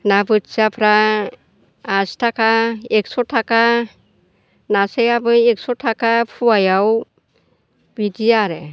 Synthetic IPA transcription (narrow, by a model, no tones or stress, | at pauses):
nabɯtsapʰɾa | stʰakʰaek̚sɔtʰaka | nasejabɯjek̚sɔtʰakapʰuwajaw | bidijaɾe